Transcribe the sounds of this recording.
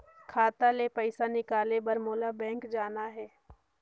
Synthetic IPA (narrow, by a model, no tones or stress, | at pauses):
kʰaːt̪alepɛɪsanɪkaːlebɐɾmoːlabɛ̃ːŋkd͡ʒaːnaɦɛː